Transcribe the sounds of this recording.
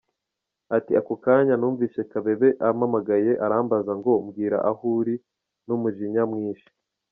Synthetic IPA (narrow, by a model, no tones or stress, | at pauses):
atiakokaːɲanuːɱviːʃe̞kaβe̞βe̞ʔamamaɡaje̞ʔaɾaːmbazaŋɡo̞mɡiːɾa̰ʔahuːɾi | numuʒiɲamŋiːʃi̥